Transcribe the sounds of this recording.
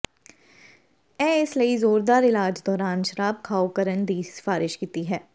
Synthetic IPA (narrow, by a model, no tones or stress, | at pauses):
ɛ̃ːɪsləizoːɾd̪aːɾɪlaːd͡ʒd̪ɔːɾaːnʃəɾaːb̚kʰaːokəɾənd̪iːsɪ̥faːɾɪʃkiːt̪iɦɛː